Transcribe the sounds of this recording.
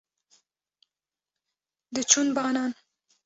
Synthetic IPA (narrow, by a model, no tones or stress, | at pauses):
d̪ət͡ʃunbɑːnɑn